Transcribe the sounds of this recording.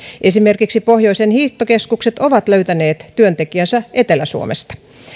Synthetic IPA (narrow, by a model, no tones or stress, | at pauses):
ʔesimerkiksipohjo̞isenhiːt̪ːokeskukset̪oʋɑt̪løyt̪æneːt̪tyønt̪ekiænsæʔet̪elæsṵo̰mḛst̪ɑ̥